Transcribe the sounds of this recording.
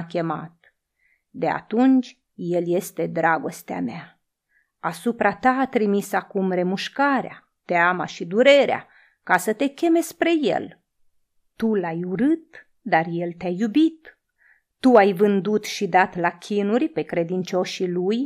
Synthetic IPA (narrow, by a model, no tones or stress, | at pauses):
kʲe̞ma̰t̪̚ | d̪e̞a̰t̪unt͡ʃʲ | je̞lje̞st̪e̞d̪ɾaɡo̞st̪ea̰mea | asupɾʔat̪aːt̪ɾimisakumɾe̞muʃkaɾea̰ | t̪eama̰ʃid̪uɾe̞ɾea̰ | kasət̪e̞kʲe̞me̞spɾe̞je̞̰l | t̪ulajuɾɨt̪̚ | d̪arje̞lt̪eajːubit̪ː | uajvɨnd̪ut̪ʃid̪at̪lakʲʰinurʲpe̞kɾe̞d̪int͡ʃo̞ʃiluj